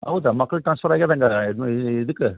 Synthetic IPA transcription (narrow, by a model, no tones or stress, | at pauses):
ɐ̰ʋðamɐkːɐɭʈɾaːnsfɐɾaːkeðeŋɡɐɪðɯkːɯ